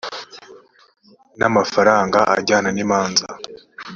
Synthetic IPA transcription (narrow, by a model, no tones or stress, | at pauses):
namafaɾaːŋɡaʔa̰ɟaːnanimaːnza